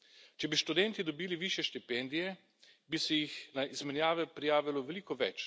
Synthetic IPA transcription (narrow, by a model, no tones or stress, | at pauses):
t͡ʃɛbiʃt̪ud̪ɛnt̪id̪ɔbiːliʋiʃjɛʃt̪ipɛnd̪ijɛ | bisɛjixnaizmɛnjaːʋɛpɾijaːʋilɔʋɛliːkɔʋɛt͡ʃ